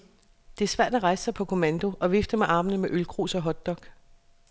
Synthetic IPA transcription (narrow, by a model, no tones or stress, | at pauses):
d̥e̝sʋæɐ̰d̥æʁɑ̈ɪsə̥sɑ̈ɪpʰɒ̽kʰo̝mænd̥o̝ʔɒ̽ʋefd̥əmɑʔɑ̈ːmənəmeʔølkʰʁṵːsɒ̽ɦɒ̽d̥ɒ̽ɡ̥